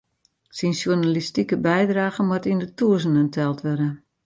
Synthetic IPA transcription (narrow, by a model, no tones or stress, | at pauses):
sinsjunalistikəbɛjdraːɣəmwɔtindətuəs̬ənəntʰɛlˠtʋɛdə